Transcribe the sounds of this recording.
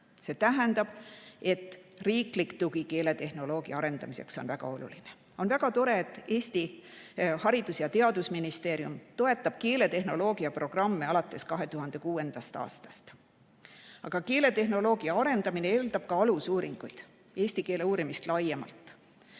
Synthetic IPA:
se̞ːt̪æɦænd̪̥ɑb̥e̞t̪ːˑriːklikt̪uɡike̞ːle̞t̪e̞hno̞lo̞ːɡ̥iɑɑɾe̞nd̪̥ɑmise̞̰kso̞nvæɡ̥ɑ̰o̞lṵline | o̞nvæɡɑt̪o̞ɾe̞et̪ːˑe̞ːst̪i | hɑɾid̪̥usjɑt̪e̞ɑd̪usminist̪e̞ːɾiumt̪o̞e̞t̪ːˑɑb̥keːle̞t̪e̞ɦno̞lo̞ːɡ̥iɑpro̞ɡ̥rɑmːeɑlɑt̪ˑːe̞skɑɦe̞t̪uɦɑnd̪̥e̞kuːe̞nd̪̥ɑst̪ɑ̰ːst̪ɑ̥st̪ | ɑɡ̥ɑke̞ːle̞t̪e̞hno̞lo̞ːɡiɑɑɾe̞nd̪ɑmineeːld̪ɑb̥̚kɑɑlusuːɾiŋɡ̥ujd̪̥ | e̞ːsʲt̪ike̞ːle̞uːɾimist̪lɑje̞mɑ̰lt̪ˑ

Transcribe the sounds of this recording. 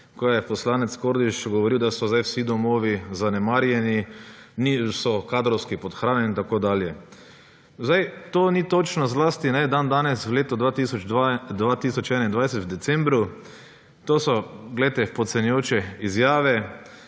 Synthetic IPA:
kojɛpɔslaːnɛt̪skoɾd̪iʃɡɔʋɔɾiwd̪asɔzajwsid̪ɔmoːʋizanɛmaɾjɛninisɔkaːd̪ɾɔwskipɔt̪xɾaːnɛnit̪akod̪aːljɛ | zajt̪oːnit̪ot͡ʃnɔzlaːst̪inɛd̪and̪aːnɛswleːt̪ɔd̪ʋat̪isɔd̪ʋaːt̪iːsɔt͡ʃɛːnaind̪ʋajsɛt̪wd̪ɛt̪sɛ̃mbɾu | t̪oːsɔɡlɛjt̪ɛpɔt̪sɛnjɛjoːt͡ʃɛizjaːʋɛ

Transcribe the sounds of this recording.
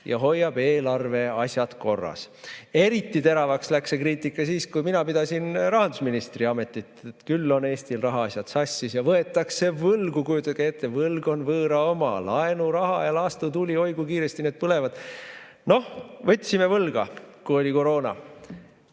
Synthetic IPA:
jɑ̰ɦo̞jːɑb̥e̞ːlɑrve̞ɑsʲjɑt̪ko̞rːɑ̰s | e̞ɾit̪ːˑit̪e̞ɾɑvɑkslæksekriːt̪ːikːˑɑsiːskujminɑpid̪̥ɑsinrɑɦɑnd̪usminist̪riɑme̞t̪ːˑit̪ːˑet̪kylːo̞ne̞ːst̪ilrɑɦɑɑsʲjɑt̪sɑsʲːisjɑvɤe̞t̪ːˑɑkse̞vɤlɡukujut̪ːˑɑket̪ːevɤlɡo̞nvɤːɾɑo̞mɑ̰lɑe̞nuɾɑɦɑ̰jɑlɑːst̪ut̪ulʲio̞jɡ̥ukiːɾest̪ine̞ːd̪̥̚pɤle̞vɑd̪̥ | no̞hvɤt̪ʲːsime̞vɤlɡ̥ɑkuo̞lʲiko̞ɾo̞ːnɑ̰

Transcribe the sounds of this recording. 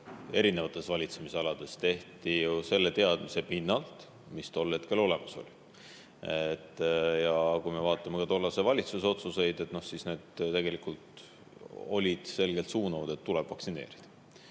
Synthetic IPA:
e̞ɾine̞vɑt̪ːˑe̞svɑlʲit̪se̞miseɑlɑd̪̥e̞st̪e̞ht̪ijuse̞lːe̞t̪e̞ɑd̪̥mise̞pinːɑlt̪ˑ | mist̪olːhe̞t̪ke̞lo̞le̞mɑso̞̰lʲi | et̪ːjɑkujme̞vɑːt̪ːˑɑmekɑt̪o̞lːɑsevɑlʲit̪suso̞t̪suse̞jd̪̥e̞t̪no̞hsisne̞ːd̪̥t̪e̞ɡ̥elikult̪ | o̞̰lʲid̪̥se̞lɡ̥elt̪suːnɑvɑd̪̥e̞t̪ːuleb̥vɑksine̞̰ːɾid̪̥ɑ̥

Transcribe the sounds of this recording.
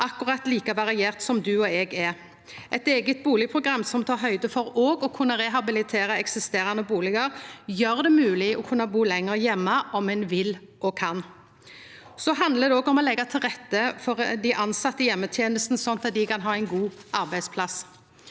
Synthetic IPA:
ʔɑkʊʁɑt̪liːkɑʋɑʁɪjeːʁt̪sɔmd̪ʉɔɛːɡɛ | ʔɛt̪eːɡət̪̚buːlɪɡpʰʊɡʁɑmːsɔmt̪ʰɑːʁɦœʏd̪əfɔɾoːɡɔkʰʉnːəɾɛɦɑbɪlɪt̪ʰeːɾəɛksɪst̪eːʁɑnəbuːlɪɡɑɾjøːʁd̪ɛmʉːlɪɔkʰʉnːɑbuːlɛŋəʁjɛmːɑʔɔmɛnʋɪl | ʔɔkʰɑn | sɔɦɑnd̪ləd̪ɛɔːɡɔmɔlɛɡːɑt̪ʰɪlʁɛt̪ːəfɔʁd̪æʔɑnsɑt̪ːəjɛmːət̪ʰjeːnəst̪n̩sɔnt̪d̪ɑt̪̚d̪ɪkʰɑnɦɑːɛɪnɡuːʔɑʁbæɪd̪spʰlɑs

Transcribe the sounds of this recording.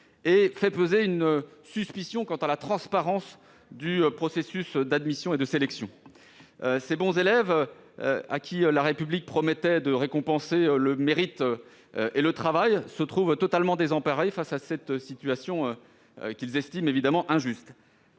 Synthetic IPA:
efɛpøzeynøsyspisjɔ̃kɑ̃t̪alat̪χɑ̃spaʁɑ̃s | d̪ypχɔsesysd̪ad̪misjɔ̃ed̪əselɛksjɔ̃ | sebɔ̃zelɛv̰ | a̰kʲʰiølaʁepyblik̚pχɔmɛt̪ɛd̪əʁekɔ̃pɑ̃seøləmeʁit̪ | ʔelət̪χavajsət̪χuvt̪ɔt̪almɑ̃d̪ezɑ̃paʁefasasɛt̪sit̪ɥasjɔ̃ø̰ | kʲilzɛst̪imevid̪amɑ̃ʔɛ̃ʒyst̪

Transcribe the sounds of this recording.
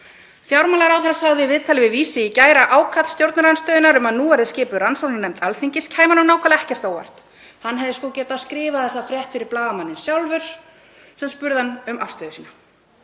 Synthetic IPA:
fjawɾmaːlaɾawθɛɾasaɣðɪvɪːðt̪ʰalɪvɪðviːsɪicaːjɾaʔaːwkʰat̪st̪jowɾt̪naɾanst̪œːðɪnaɾʏmaðnuːvaɾðɪscɪːpʏɾansowlanɛmt̪alθiɲcɪscʰhaːjmanʏmnaːwkʰvalaɛhcɛr̥t̪awva̰r̥t̪ | hanːɦɛvðɪskɔːcɛːt̪askɾɪːvaðɛs̬afɾjɛht̪fɪɾɪɾplaːvamanːɪnsjawlvʏɾ̥ | sɛmspʏɾðanʏmʔafst̪œːðʏsiːna

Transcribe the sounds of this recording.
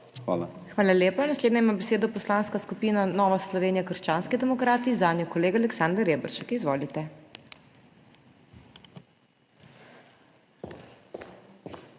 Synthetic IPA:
xʋa̰ːla̰ | xʋaːlalʲjeːpanasleːd̪nɛjmaːbɛseːd̪ɔpɔslaːnskaskupiːnanɔːʋaslɔʋeːnijakəɾʃt͡ʃaːnskɛd̪ɛmɔkɾaːt̪izaːnjɔkɔleːɡalɛksand̪ɛɾeːbɾʃɛkizʋoːlit̪ɛ

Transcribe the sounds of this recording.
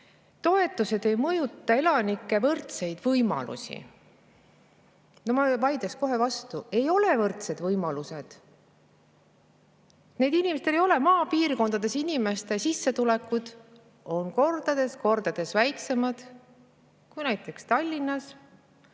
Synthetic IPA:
t̪o̞e̞t̪ːˑuse̞d̪e̞jmɤjut̪ːˑɑe̞lɑnikːˑe̞vɤrt̪se̞jd̪̥vɤjmɑ̰lṵsʲḭ | nomɑvɑjd̪esko̞ɦe̞vɑst̪ue̞jo̞levɤrt̪se̞d̪vɤjmɑluse̞d̪̥ | ne̞jd̪inimest̪elejo̞le̞mɑːpiːrko̞nd̪̥ɑd̪̥e̞sinʲime̞st̪e̞sisːet̪ule̞kːˑud̪̥ | o̞nko̞rd̪̥ɑd̪̥e̞sko̞rd̪̥ɑd̪̥e̞svæjkse̞mɑd̪̥ | kujnæjt̪ˑːe̞kst̪ɑlʲːinːɑs

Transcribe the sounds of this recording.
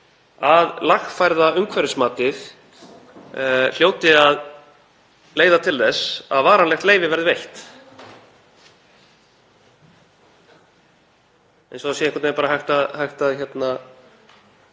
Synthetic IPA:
aðlaxfajɾðaʏmkʰvɛɾɪsmaːt̪ɪθ | l̥joːwt̪ɪað | leːjðat̪ʰɪlθɛsa̰ðvaːɾanlɛxt̪leːjvɪvɛɾðɪvejht̪ | ɛ̰jnsɔsɛɪ̃ŋkʰat̪eɾpaːɾaɦajxt̪aðhajxt̪aðçɛt̪na

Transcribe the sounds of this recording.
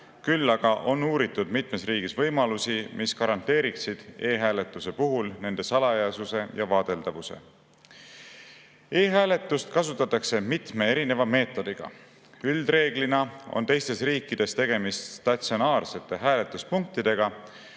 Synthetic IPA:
kylːɑɡ̥ɑʔo̞nuːɾit̪ːˑud̪̥mit̪me̞sriːɡ̥isvɤ̞jmɑlusimʔiskɑɾɑnt̪e̞ːɾiksid̪̥e̞ːɦæːle̞t̪ˑːuse̞puɦulne̞nd̪e̞sɑlɑjɑsuse̞jɑvɑːd̪̥e̞ld̪ɑvuse̞̰ | e̞ːɦæːle̞t̪ːˑust̪kɑsut̪ːˑɑt̪ːˑɑkse̞mit̪me̞eɾine̞vɑme̞ːt̪ːˑo̞d̪̥iɡ̥ɑ̰ | yld̪re̞ːɡlinɑo̞̰nt̪e̞jst̪e̞sriːkːˑid̪̥e̞st̪e̞ɡ̥e̞mist̪st̪ɑt̪sionɑːrse̞t̪ːˑe̞ɦæːle̞t̪ːˑuspuŋk̚t̪id̪̥e̞ɡ̥ɑ

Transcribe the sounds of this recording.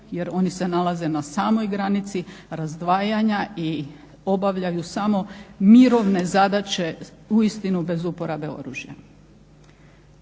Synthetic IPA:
jeɾo̞nise̞nalaze̞nasaːmo̞jɡɾanit̪siɾazd̪ʋaːjaɲai | o̞baʋʎajusamo̞miɾo̞ʋne̞zad̪at͡ɕe̞uist̪inube̞zupo̞ɾabe̞o̞̰ɾṵːʒja̰

